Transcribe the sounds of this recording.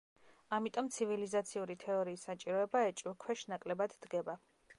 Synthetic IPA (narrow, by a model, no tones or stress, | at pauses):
amit̪ʼɔmt̪sʰivilizat̪sʰiuɾit̪ʰɛɔɾiːsːat͡ʃʼiɾɔɛbaɛt͡ʃʼikʰwɛʃnakʼlɛbad̪d̪̥ɡɛba